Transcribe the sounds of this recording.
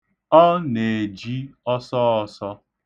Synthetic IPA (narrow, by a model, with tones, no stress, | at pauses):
ɔ˦ne˨d͡ʒi˦ɔ˦sɔ˦ɔ˨sɔ˦